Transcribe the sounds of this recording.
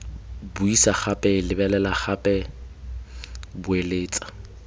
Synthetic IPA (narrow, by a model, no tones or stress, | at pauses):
bʊisaχapʼɛlɪbɛlɛlaχapʼɛ | bʊeleːt͡sʼḁ